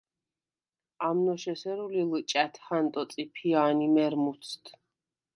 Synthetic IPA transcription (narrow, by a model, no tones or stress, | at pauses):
amnɔʃɛsɛɾulilt͡ʃʼat̪ʰhant̪ʼɔt̪sʼipʰiaːnimɛɾmut̪sʰt̪ʰ